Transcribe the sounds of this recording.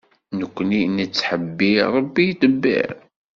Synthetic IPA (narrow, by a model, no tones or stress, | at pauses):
nəkʷːninət͡sːħəbːiɾˤəbːijt̪əbːḭɾ